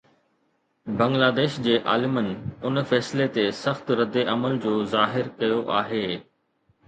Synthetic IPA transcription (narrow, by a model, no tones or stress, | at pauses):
bɐ̃ŋɡlaːd̪eːʃd͡ʑeːʔa̰ːlɪmənɪ̆ʊnfɛːslet̪esɐxt̪ɾɐd̪eʔɐməld͡ʑoːzaːɦɪɾkɐjoʔa̰ːɦeː